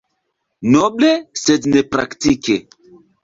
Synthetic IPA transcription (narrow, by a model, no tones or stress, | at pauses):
nɔblesednepɾa̰ktike